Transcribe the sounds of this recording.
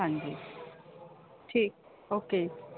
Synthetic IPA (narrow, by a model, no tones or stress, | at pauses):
ãŋɡe | ʈʰiːk̚ | oke